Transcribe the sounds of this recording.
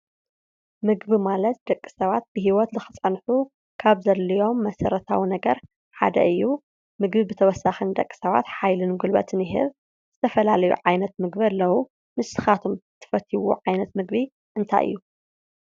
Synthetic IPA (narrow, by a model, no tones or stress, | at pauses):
mɨɡβimalɐt̪̚d̪ɐkʼːi̥sɐβat̪̚b̥ɨɦiwɔt̪zɨxɨt͡sʼɐnħu | kʰaβzɐlːijo̞mːɐsɐɾɐt̪ʰawinɐɡɐɾ | ħa̰d̪ɐ̰ʔɨjːu | mɨɡbibɨt̪ʰɐwɔsːaxɨnd̪ɐkʼːi̥sɐβa̰t̪ħajlɨnɡulbɐ̰t̪ʰɨnɪɦɨ̰β | z̥ɨt̪ʰɐfɐlalɐjṵʕajnɐt̪mɨɡbiɐlːɐwu | mɨsɨxat̪ʰumt̪ʰɨ̥fɐt̪ʰːiwṵʕajnɐt̪mɨɡβi | ʔɨnt̪ʰa̰jʔɨ̰jːu